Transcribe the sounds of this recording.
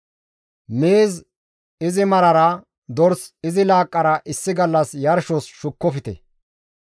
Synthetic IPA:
meːz | ɪzɪmɐɾɐɾɐ | d̪ɔɾsɪzɪlaːkʼːɐɾɐʔɪsːɪɡɐlːɐsjɐɾʃɔsʃʊkːɔfɪt̪ɛ̰

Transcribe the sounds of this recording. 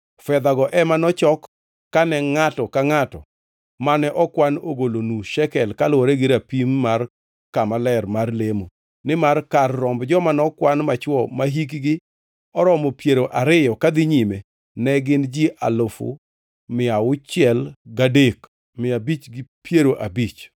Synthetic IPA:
fɛd̪aɡɔʔɛmanɔt͡ʃɔkː | anɛŋatɔkaŋatɔ | manɛʔɔkwanoɡolonuʃɛkɛlkalwɔɾɛɡɪɾapimːar | kamalɛrmarlemo | nɪmarkarːɔmbd͡ʒɔmanɔkwanmat͡ʃwɔmaɦik̬ɡɪ | ɔɾɔmɔpjeɾoʔaɾɪjɔkad̪ɪɲime | nɛɡɪnd͡ʒiʔa̰lofʊ̰ | mɪaʊt͡ʃɪɛlɡadek | mɪabit͡ʃɡɪpjeɾoʔabit͡ʃ

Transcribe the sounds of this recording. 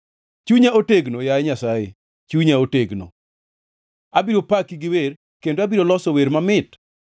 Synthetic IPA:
t͡ʃuɲaoteɡnojaɛɲasaje | t͡ʃuɲaoteɡno̰ | abiɾopakiɡɪwer | kendoabiɾolɔsɔweɾmamɪt

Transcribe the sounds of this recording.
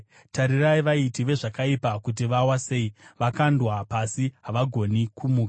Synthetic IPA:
taɾiraiʋaitiʋe̞ʐakaipakut̬iʋawaseːiʋakandwapasiɦaʋaɡʱo̞nikumuːka

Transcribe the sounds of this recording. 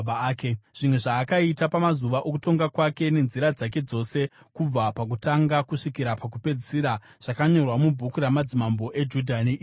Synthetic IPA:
ɓːkeʐ̥imweʐaːkaitapamazuʋaʔo̞kuto̞ŋɡakwake̞ne̞nziɾad͡zak̬e̞d͡zo̞se̞ | kub͡vapakutaŋɡakuʂikiɾapak̬upe̞d͡zisiɾa | ʐ̥akaɲo̞rwamubʱukuɾamad͡zimambo̞ʔe̞d͡ʒudʱanei

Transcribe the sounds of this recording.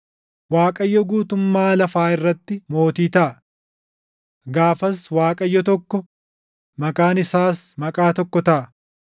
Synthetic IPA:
waːkʼɐjːɔɡuːt̪ʊmːaːlɐfaːɪrːɐt̪ːɪmo̞ːt̪iːt̪ɐʔɐ | ɡaːfɐswaːkʼɐjːɔt̪ɔkːɔ | mɐkʼaːnɪsaːsmɐkʼaːt̪ɔkːɔt̪ɐʔɐ

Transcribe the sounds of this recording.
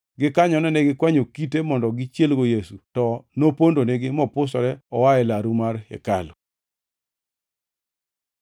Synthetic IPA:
ɡɪkaɲɔnɛnɛɡɪkwaɲokitemɔndɔɡɪt͡ʃjelɡojesutɔnopondoneɡɪmɔpʊsɔɾɛɔwaɛlaɾumarɛ̰ka̰lʊ

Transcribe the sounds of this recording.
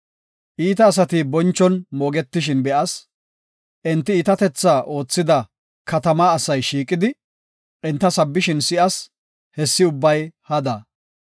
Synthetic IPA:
ʔiːt̪ɐːs̬ɐt̪ibɔnt͡ʃːɔnmoːɡɛt̪ːɪʃɪnbɛʔɐs | ʔɪnt̪ːɪiːt̪ɐt̪ɛt͡sːaːʔo̞ːt͡sːɪd̪ɐ | kɐt̪ɐmaːsɐjʃiːkʼːɪd̪ɪ | ʔɪnt̪ːɐsɐbːɪʃɪnsɪʔɐs | hɛsːɪʊbːɐjhɐd̪ɐ

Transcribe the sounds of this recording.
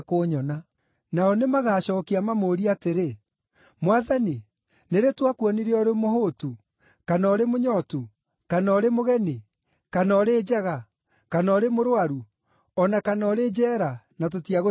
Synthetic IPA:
koɲɔna | naɔnemaɣaːɕɔːkiamamoɾiateɾe | mwaðani | neɾetwakwɔniɾeɔɾemoɦotu | kanɔɾemoɲɔtu | kanɔɾemoɣɛni | kanɔɾeːd͡ʑaɣa | kanɔɾemoɾwaɾu | ɔnakanɔɾed͡ʑɛːɾanat̬otiaɣo

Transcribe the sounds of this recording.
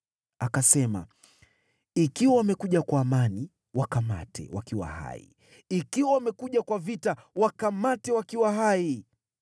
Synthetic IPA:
akasɛma̰ | ikiwawamɛkuʄakwaːmani | wakama̰tʰɛ̰wakiwa̰ha̰ḭ | ikiwawamɛkuʄakwavitawakamatɛwakiwaɦai

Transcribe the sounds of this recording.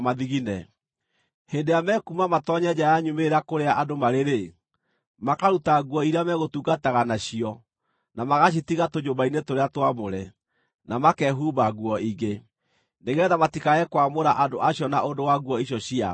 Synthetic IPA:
maðiɣinɛ | heːndejamɛkumamatɔɲɛd͡ʑajaɲumeɾakoɾeaʔadomaɾeɾe | makaɾutaɣuɔiɾamɛɣotuɡataɣanaɕiɔ | namaɣaɕ̬itiɣatoɲobainetoɾeatwamoɾɛ | namakɛɦubaɣwɔiɡe | neɣɛðamatikaɛkwamoɾaʔadoʔaɕjɔnaʔondowaɣwɔiɕjɔɕia̰

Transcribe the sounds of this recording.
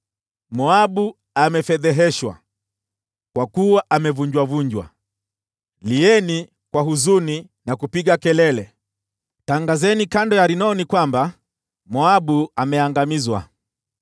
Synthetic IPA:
mɔaɓu | amɛfɛðɛɦɛʃwa̰ | kwakuwaʔamɛvuɲd͡ʒwavuɲd͡ʒwa̰ | liɛni | kwaɦuzuni | nakupiɠakɛlɛlɛ | taŋɡazɛnikandɔjaɾinɔnikwamba | mɔaɓuamɛaŋɡamizwa̰

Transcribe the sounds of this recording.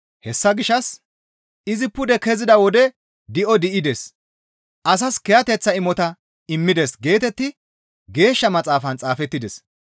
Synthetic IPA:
hɛsːɐɡɪʃːɐs | ɪzɪpʊd̪ɛkɛzɪd̪ɐwɔd̪ɛ | d̪ɪʔɔd̪ɪʔɪd̪ɛs | ʔɐs̬ɐskɛjɐt̪ɛt͡sːɐɪmɔt̪ɐ | ɪmːɪd̪esɡe̞ːt̪ɛt̪ːɪ | ɡe̞ːʃːɐmɐt͡sʼaːfɐnt͡sʼaːfɛt̪ːɪd̪ɛs

